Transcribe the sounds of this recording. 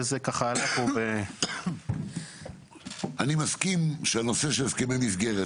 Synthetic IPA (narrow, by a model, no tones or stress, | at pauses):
ezekaχalakobe | ʔanimaskimʃeano̞se̞ʃelskemejmizɡe̞ʁe